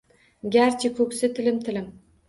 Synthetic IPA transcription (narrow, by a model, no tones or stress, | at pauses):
ɡʲaɾt͡ʃʰɪkʲʰɵkʲsɪt̪ʰɪlɪmt̪ʰɪlɪm